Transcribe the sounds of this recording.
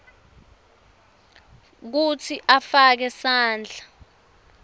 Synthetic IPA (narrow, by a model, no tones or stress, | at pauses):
k̬ut͡sʰiʔafak̬ɛsaːnd͡ɮʱa